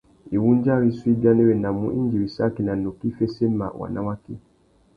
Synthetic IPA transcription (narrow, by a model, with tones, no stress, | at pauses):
i˨wu˦ɲ˦d͡ʒa˦wi˦swi˦ba˦nɛ˦wɛ˨na˨mṵ˦ʔi˦ɲ˦d͡ʒi˨wi˨sa˦ki˨na˨no˨ki˦fe˦sɛ˦ma̰˨wa̰˨na˦wa˦ki˦